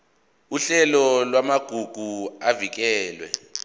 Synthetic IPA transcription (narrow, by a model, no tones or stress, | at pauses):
uɬɛlɔlwamaɡ̥ʱuɡ̥ʱuavik̬ɛːlwɛ̰